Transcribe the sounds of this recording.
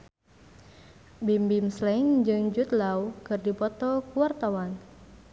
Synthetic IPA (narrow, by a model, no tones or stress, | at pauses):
bimbimslɛŋd͡ʒɨŋd͡ʒut̪lawkɨrdipɔt̪ɔkuwart̪awan